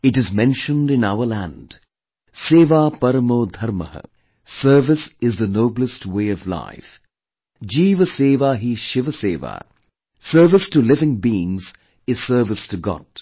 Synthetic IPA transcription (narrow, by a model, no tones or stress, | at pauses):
ɪʈɨzmɛ̃nʃə̃ndɪ̃naʊəlæ̰̃nd̥ | seːʋaːpɐɾəmoːd̪ʱɐɾmə̰hə̰ | səːvɪsɪzðənoːbl̩əstweɪʌvla̰ɪf | d͡ʒiːvəseːʋaːɦiʃɪʋəseːʋa̰ː | səːvɪstulɪvɪ̃ŋbiːɪ̃ŋz̥ | ɪz̥səːvɪstʰɨɡɔ̰d̥